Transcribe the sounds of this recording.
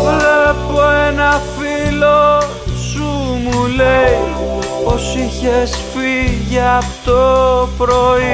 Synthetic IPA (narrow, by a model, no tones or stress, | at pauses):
vlepoenɐfilo̞ | sumulei | osiçesfiʝɐpt̪opɾoi